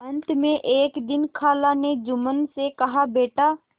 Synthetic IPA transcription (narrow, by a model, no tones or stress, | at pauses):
ə̃nt̪mẽʔeːkd̪ɪnkʰaːlaned͡ʒʊmənsekɐɦabeːʈa